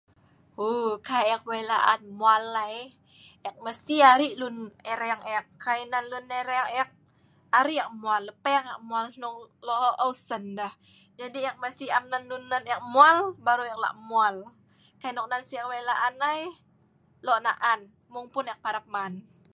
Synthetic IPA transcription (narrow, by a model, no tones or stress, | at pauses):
ukajɛk̚welaʔanmualːaj | ɛk̚məst̪iaɾiʔlunɛɾɛaŋɛkːainanluneɾeaŋɛk̚ | aɾijak̚mualːəpaaŋaʔmualnʊŋlɔɔʔəusəndah | d͡ʒadiak̚məst̪iamnanlunːanak̚mualbaɾuɛk̚la̰ʔmual | kajnɔk̚nansiak̚welaʔanaj | lɔʔnaʔan | mʊŋpʊnɛk̚paɾap̚man